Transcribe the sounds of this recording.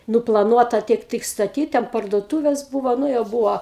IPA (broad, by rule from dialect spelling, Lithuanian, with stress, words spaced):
nʊplˠɐˈnuɔtɐ ˈtʲiɛk ˈtɨk stɐˈtʲiːt tʲɛn pɐrduɔˈtuːʋʲeːs ˈbuːʋoː ˈnʊ jɛʊ ˈbuːʋoː